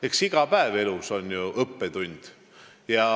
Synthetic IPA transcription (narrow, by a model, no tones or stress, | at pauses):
e̞ksiɡ̥ɑpæeve̞luso̞nʲjuʔɤpːe̞t̪unʲd̪̥ | jɑ